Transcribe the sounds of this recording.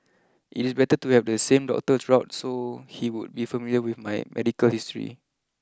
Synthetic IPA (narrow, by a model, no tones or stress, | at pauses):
ʔḭtisbɛtətuhɛvdəsẽmdɔ̰k̚tədɹaʊtsohiwud̚bifəmiljəwiθmajmʔɛ̰dikəlhistɹḭ